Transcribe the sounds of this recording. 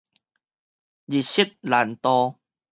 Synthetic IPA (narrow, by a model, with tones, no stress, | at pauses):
d͡ʑi˨t̚ɕi˦˥t̪̚la˨˦nt̪ɔ˧